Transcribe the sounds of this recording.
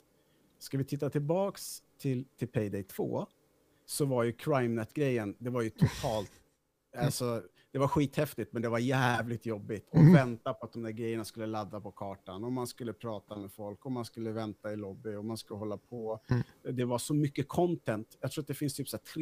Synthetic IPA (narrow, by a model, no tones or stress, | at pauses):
skavɪt̪ʰɪt̪ːat̪ʰɪlbɑːkst̪ʰɪlt̪ʰɪlpʰɛjd̪ɛjt̪ʰv̥o̰ː | sɔvaɾjɵkʰɾajmnɛt̪ːɡɾɛjːənd̪ɛvaɾjɵt̪ʰʊt̪ʰɑːlt̪ | alsɔ | d̪̥ɛvaɾɧiːt̪hɛft̪ɪt̪mɛnd̪ɛvaɾjæːvlɪt̪jɔbːɪt̪ʰɔvɛnt̪apʰɔat̪̚d̪ɔmd̪æːɾɡɾɛjːəɳaskɵlːəlad̪ːapʰɔkʰɑːʈanɔmːanskɵlːəpʰɾɑːt̪amɛfɔlkɔmanskɵlːəvɛnt̪aɪlɔbːɪɔmanskɵlːəhɔlːapʰɔd̪ɛvaʂɔmʏkːəkʰɔnt̪ʰɛnt̪jɑkt̪ʰɾuːɾat̪d̪ɛfɪnst̪ʰyːpsɔæːtʰɾ